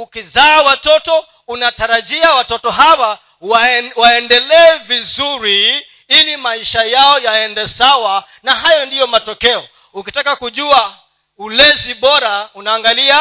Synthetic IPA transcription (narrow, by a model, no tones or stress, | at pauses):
ukizaːwatɔtɔ | unataɾaʄiawatɔtɔɦawa | wwaɛndɛlɛːvizuɾi | ilimaiʃajaɔjaɛndɛsawa | naɦajɔndijɔmatɔkɛɔ | ukitakakuʄua | ulɛziɓɔɾaunaːŋɡalia